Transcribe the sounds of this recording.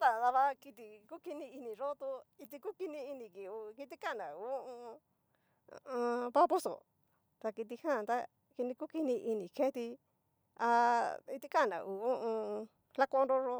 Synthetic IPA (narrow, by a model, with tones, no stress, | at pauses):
t̪a˧d̪a˧βa˧ki˧t̪i˧ku˦ki˧nĩ˧i˧nĩ˨ɾo˦t̪u˧i˧t̪i˧ku˦ki˧nĩ˧i˧nĩ˨ki˨u˧ki˧t̪̬i˦ka˦˨nã˨u˧õ˦˧ | ã˧pa˦po˦so̰˨ | t̪a˧ki˧t̪̬i˧hã˦˨t̪a˦ | ki˧nĩ˧ku˦ki˧nĩ˧ʔi˧nĩ˨kʰe˦t̪i˧ | a˧i˧t̪i˦ka˦˨nã̰˨ʔu˨õ˦ʔõ˧ | la˦kõ˧ɾo˦˧ɾo˧